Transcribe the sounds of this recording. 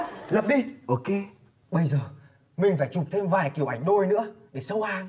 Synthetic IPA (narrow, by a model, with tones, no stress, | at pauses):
lə˨˩p̚ɗi˧ʔo˨˩ke˧ | ɓə˧jzəː˨˩ | mï˨˩ŋ̟faː˧˩jt͡ɕu˨˩p̚t̪ʰe˧mvaː˨˩jki˧˩əwʔa˧˩jŋ̟ɗo˧jnɨ̰˧˥əɗe˧˩sə˧whaː˧˩n